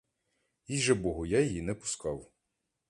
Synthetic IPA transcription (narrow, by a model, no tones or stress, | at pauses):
iʒɛbɔɦʊjajejinɛpʊ̥skɑw